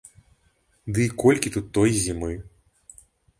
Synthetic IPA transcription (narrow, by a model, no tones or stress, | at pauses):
d̪ɨikɔlʲkʲit̪ut̪ːɔjzʲimɨ